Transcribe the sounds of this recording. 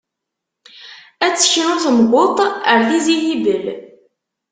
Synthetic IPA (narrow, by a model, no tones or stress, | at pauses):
æt͡sːə̥çɾʊθəmɡʷot̪ˤəɾθizijibəl